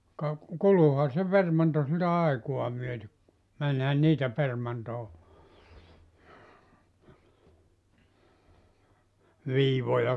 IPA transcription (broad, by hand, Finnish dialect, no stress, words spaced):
kɑ kuluhɑ se permɑnto siltæ ɑikuɑ myøtek ku mænhæn niːtæ permɑntoː ʋiːʋojɑ